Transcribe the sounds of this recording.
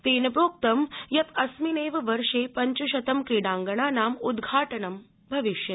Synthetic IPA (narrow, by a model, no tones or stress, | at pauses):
t̪eːnɐpɾoːk̚t̪ɐmjɐt̪ɐsmineːʋʋɐɾʂeːpɐɲt͡ɕɐʃɐt̪ɐmkɾiɽãːŋɡɐɳaːnaːmud̪ɡʱaːʈənɐm | bʱɐʋiʃjɐ